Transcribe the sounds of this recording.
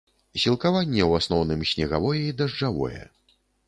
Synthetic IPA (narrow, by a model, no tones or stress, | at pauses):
sʲilˠkavanʲːɛwasnɔwnɨmsʲnʲɛɣa̰vɔjɛid̪ɐʐd͡ʐavɔ̰jɛ̰